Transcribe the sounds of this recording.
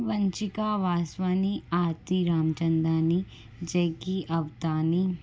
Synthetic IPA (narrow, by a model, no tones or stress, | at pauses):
ʋɐɲt͡ʃikaːʋaːsʋaːniaːɾt̪iɾaːmt͡ʃɐnd̪aːni | d͡ʒɐjkiʔɐʋt̪aːni